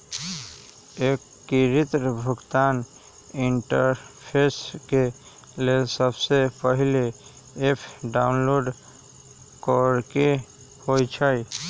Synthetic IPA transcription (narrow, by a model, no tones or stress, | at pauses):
eːkːiɾɪt̪ɾəbʱʊɡt̪aːn | ɪɳʈəɾpʰeːske | lesəbsepəɦɪle | epʰɖaːʊnloːɖ | kɔɾke | hoit͡ʃʰai